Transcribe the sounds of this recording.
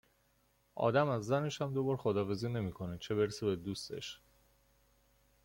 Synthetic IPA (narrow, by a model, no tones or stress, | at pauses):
ʔɒ̰ːd̪æmæzːæne̞ʃæmd̪obɒːɾxod̪ɒːfe̞ziːne̞miːkʰo̞net͡ʃʰe̞be̞ɾsebe̞d̪ust̪e̞̰ʃ